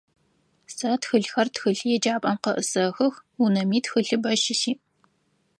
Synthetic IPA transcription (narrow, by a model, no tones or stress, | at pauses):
sɐtxɨɬxɐrtxɨɬjɛd͡ʒaːpʼɐmqɐʔɨsɐxɐxunɐmiːtxɨɬɨbɐʃɪsiː